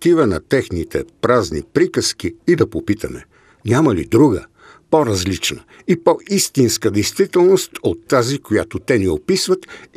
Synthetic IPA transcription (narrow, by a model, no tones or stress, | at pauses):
t̪ivənɐt̪ɛxnit̪ɛ̰pɾaznḭpɾikəsk̟iːd̪ɐpopit̪ʰəmɛ̰ | nʲamɐlḭd̪ɾuɡə̰ | poɾɐzlit͡ʃnə | ipɔʔist̪inskəd̪ɛjst̪vit̪ɛlˠnost̪ot̪ːazikoja̰t̪ot̪ɛniopisvət̪